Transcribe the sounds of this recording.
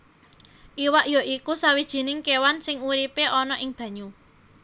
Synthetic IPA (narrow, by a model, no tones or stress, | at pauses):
ʔiwaʔjoʔikusawid̥ʒ̥i̤nɪŋkewansɪŋuɾipeʔɔnɔʔɪŋb̥ä̤ɲu